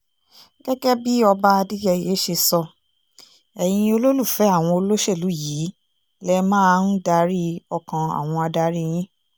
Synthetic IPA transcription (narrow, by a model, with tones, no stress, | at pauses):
ɡ̥ɛ˦ɡɛ˦bi˦ɔ˧ba˦˧di˦jɛ˧˨je˨˦ʃe˧sɔ˧˨ | ɛ˨j̃ĩ˧o˧lo˦lu˦˨fɛ˨˦a˦˨w̃ɔ̃˧o˧lo˦ʃɛ˦˨lu˨˦ji˨˦ | lɛ˦mãː˦n̩˦da˧ɾi˦ɔ˧kã˧a̰˨w̃ɔ̃˧a˧da˧˦ɾi˦j̃ĩ˦